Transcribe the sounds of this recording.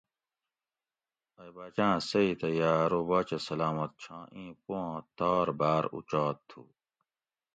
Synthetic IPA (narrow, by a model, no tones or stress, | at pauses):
ɐjbaːt͡ɕãːsɐit̪ɐjaːɾobaːt͡ɕɐsɐlaːmɐt̪̚t͡ɕʰãːʔĩːpõt̪aːɾbaːɾṵt͡ɕaːt̪ʰːṵː